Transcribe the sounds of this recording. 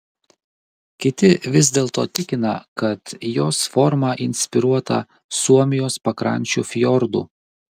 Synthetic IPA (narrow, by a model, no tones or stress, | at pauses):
kʲɪt̪ʲɪʋʲɪzʲd̪ʲeːlˠt̪o̰ːt̪ʲɪkʲɪnɐkɐt̪joːsfɔɾmɑʔɪnʲsʲpʲɪɾuɔt̪ɐ̰ | suɔmʲɪjoːspɐkɾɐ̰nʲt͡ʃʲṵfʲjɔɾd̪ṵː